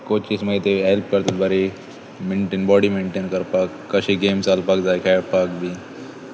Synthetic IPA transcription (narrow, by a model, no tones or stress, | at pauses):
kot͡ʃisməit̪eɦelp̚kəɾt̪ət̪̚baɾi | meɳʈeːnbɔɽimeɳʈeːnkəɾpakːəɕiɡeːmsalpakd͡zajkʰaɽpak̚bʱiː